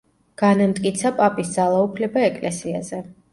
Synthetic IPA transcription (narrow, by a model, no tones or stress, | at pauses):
ɡ̥anamt̪ʼkʼit̪sʰapʼapʼisd̪zalˠaupʰlɛbaɛkʼlɛsia̰zɛ